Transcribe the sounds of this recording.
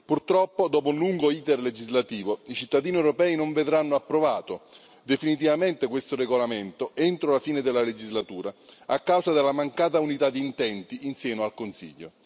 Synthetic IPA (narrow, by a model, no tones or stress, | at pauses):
purt̪ɾɔpːod̪ɔːpounluŋɡoiːt̪erled͡ʒizlat̪iːvoit͡ʃit̪ːad̪iːniewɾopɛːinoɱved̪ɾanːoapːɾovaːt̪o | d̪efinit̪̬ivament̪ekwest̪oreɡolament̪oent̪ɾolafiːned̪eɪlːaled͡ʒizlat̪uːɾaakːawsad̪elːamaŋkaːt̪̬aunit̪ad̪ːiːnt̪ɛnt̪iinsjɛːnoalkonsḭʎːo̰